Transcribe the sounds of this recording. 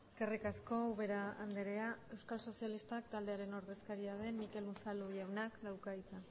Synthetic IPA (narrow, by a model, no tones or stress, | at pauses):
eske̞rikasko̞uβe̞ɾaːnd̪eɾe̞ae̞wskalso̞sialist̪akt̪ald̪e̞aɾe̞no̞ɾðe̞skaɾiað̞e̞nmike̞lunsalojawnaklawkait͡s̪a